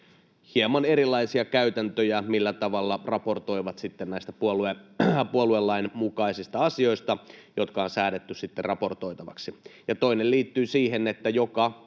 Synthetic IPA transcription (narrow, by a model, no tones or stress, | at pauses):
hiemɑneɾilːˑɑisiɑkæyt̪ænt̪øjæmilːæt̪ɑʋɑlːɑrɑpo̞rt̪o̞jʋɑt̪sit̪ːennæist̪æ̥puoluepuoluelːɑinmukɑisist̪ɑɑsio̞ist̪ɑjot̪kɑonsæːdet̪ːyssit̪ːerrɑpo̞rt̪o̞it̪ɑʋɑ̰ksijɑt̪oinelliːt̪ːyːsiːɦenet̪ːæjokɑ